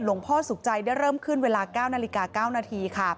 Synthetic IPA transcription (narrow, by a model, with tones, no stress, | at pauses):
lo˨˩˦ŋpʰɔː˥˩su˨˩˦k̚t͡ɕa˧jda˥˩jɾɤː˥˩mkʰɯ˥˩nweː˧laː˧kaː˥˩wnaː˧li˧˥kaː˧kaː˥˩wnaː˧t̪ʰiː˧kʰa˥˩